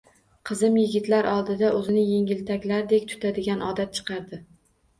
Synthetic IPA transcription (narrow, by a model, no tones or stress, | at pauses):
qʰɨzɪmjɪɡʲɪt̪laɾʔɒlˠd̪ɪd̪aʔɵzɪnɪjeŋʲɪlt̪ʰakʲlaɾd̪e̞kʲt̪ʰʊ̥t̪ʰad̪ɪɡʲanɒd̪at̪̚t͡ʃʰɨ̥qʰɑɾd̪ɪ